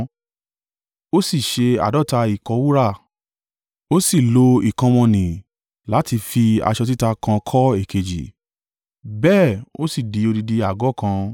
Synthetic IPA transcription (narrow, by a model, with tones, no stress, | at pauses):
o˦si˦˨ʃe˧a̰˨dɔ˦˨ta˧i˨kɔ˧˦wu˦ɾa˦˨ | o˦si˦˨lo˧i˨kã˧w̃ɔ̃˧nĩ˨ | la˨˦ti˧fi˧a̰˧ʃɔ˧t̬i˦ta˧kã˧kʰɔ˦e˦˨ke˨d͡ʒḭ˨ | bɛː˦˨o̰˦si˦˨di˨˦o˧di˧di˧a˨ɡɔ˨˦˨kã˧